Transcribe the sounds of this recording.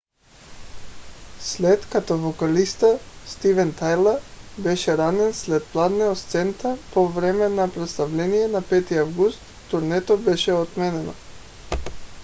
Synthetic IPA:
slɛt̪kat̪ɔvɔkalist̪ast̪ivɛnt̪ajlˠaɾbɛʃɛɾanɛnslɛt̪̚plˠad̪nɛɔst̪sɛnt̪apɔvɾɛmɛnapɾɛt̪st̪avlɛnijɛnapɛt̪iavɡust̪ | t̪uɾnɛt̪ɔbɛʃɛɔt̪mɛnɛnɔ̰

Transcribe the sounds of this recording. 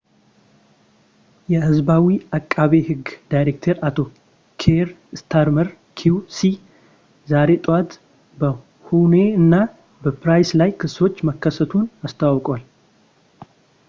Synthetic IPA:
jɛhɨzbawiakʼːaβe̞ɦɨɡd̪ajɾek̚t̪ʰeɾat̪ʰo̞ | kʰeɾst̪ʰaɾməɾ | kʰiusi | zaɾe̞t̪ʼwat̪ | bə | hune̞ɨnːa | bəpɾajslajkʰɨso̞t͡ʃːməkːəsət̪ʰunast̪ʰawkʼal

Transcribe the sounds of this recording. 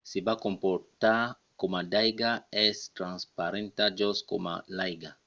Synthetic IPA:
sibakõmpɔɾt̪a | komadajɡaɛst̪ɾãnspaɾẽnt̪ad͡ʒosko̰ma̰lajɡa

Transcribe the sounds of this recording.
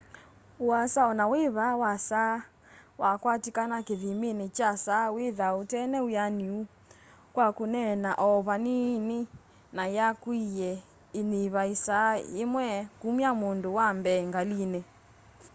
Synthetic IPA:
uasaɔnaweβawasa | wakwatikanakeðimenet͡ʃasaweðaotɛnɛujaniu | kwakonɛnaʔɔβanine | najakwijɛ | eniβaisaḛmwɛkumiamondowambɛŋɡalinɛ

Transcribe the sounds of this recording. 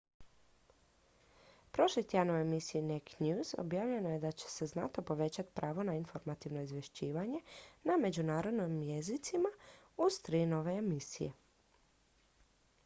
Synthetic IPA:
pɾo̞ʃlit̪janoemisiineknjuːz̥o̰bjaːʋʎe̞noje̞d̪at͡ɕe̥se̞znat̪o̞po̞ʋe̞t͡ɕat̪i̥pɾaːʋo̞nainfo̞ɾmat̪iʋno̞izʋje̞ʃt͡ɕiːʋaɲe̞name̞d͡ʑunaːɾo̞d̪nojmje̞zit̪sima | uz̥t̪ɾiːno̞ʋe̞ːmisḭjḛ

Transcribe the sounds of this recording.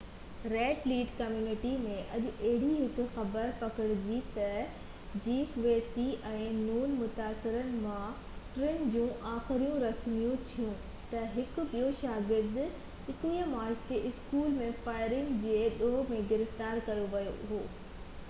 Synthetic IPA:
ɾeːʈliːʈkɐmjuːnɪʈimẽʔɐʄʊɐɦɪɽiɦɪkʊ̆xɐbəɾpɐkɪɽɪd͡ʑit̪ɐ | d͡ʑiːfʋeːsiʔɛ̃ːnuːnmʊt̪aːsɪɾənɪ̆mã | ʈɾɪnd͡ʑũːʔaːxɪɾijũɾɐsmijũt̪ʰijũ | t̪ɐɦɪk̆ɓijoʃaːɡɪd̪ | ɪkĩəmaːɪzt̪eʔɪskuːlmẽfaːɪɾɪ̃ŋɡd͡ʑeːɗoɦmẽɡɪɾɪft̪aːɾkɐɾjoʋɐjo̰ɦoː

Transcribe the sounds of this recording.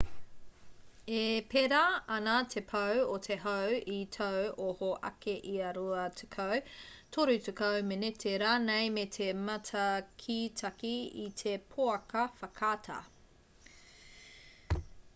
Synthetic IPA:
epʰeɾɐɐnatʰepʰɐwot̪ʰeɦɐwitʰɐwohoʔɐ̰keʔiɐɾuɐt̪ʰe̥kʰɐwt̪ʰoɾʉtekɐwmenetʰeɾɐnejmetʰemɐtʰɐkʰitʰɐkiḭt̪ʰe̞pʰoɐkɐfɐkʰatʰɐ̰

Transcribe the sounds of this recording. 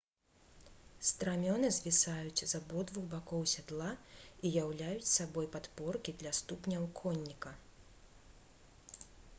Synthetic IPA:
st̪ɾamʲɔnɨzʲvʲisajut͡sʲzɐbɔd̪vuɣbakɔwsʲad̪lˠaijawlʲajut͡sʲsabɔjpat̪pɔrkʲid̪lʲast̪upnʲɐwkʰɔnʲːikɐ

